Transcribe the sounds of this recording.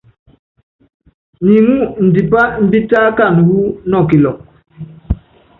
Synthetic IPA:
ɲi˨ŋu˦n̩˨di˨pa˦m̩˦bi˦taː˦ka˦˨n˨hu˦nɔ˨ki˨lɔ˨ŋ

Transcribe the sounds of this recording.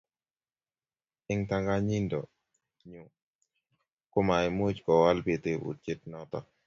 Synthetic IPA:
ɪ˦ŋta˦ŋɡa˦ɲi˦ndɔ˨ | ɲʊ˨ | kʊ˦ma˨ɪ˨m˦o˦t͡ʃkɔ˨wa˦lpe˨te˨ʔṵ˨t͡ʃe˦t̚nɔ˦t̪ɔ̰˨

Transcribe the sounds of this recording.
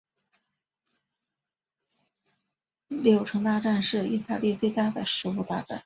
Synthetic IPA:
ljo˨˩ʊʈ͡ʂʰɤ˧˥ŋt̪a˥˧ʈ͡ʂa˥˧nʂɻ̩˥˩ḭ˥˧t̪a˥˧li˥˧t͡swe˥˧ɪt̪a˥d̪ə˨˩ʂɻ̩˧˥u˥t̪a˥˧ʈ͡ʂa̰˥˩n

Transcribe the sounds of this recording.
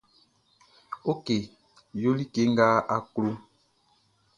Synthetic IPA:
o˦ke˨ | jo˦li˦ke˦ŋɡa˦a˨klo˦

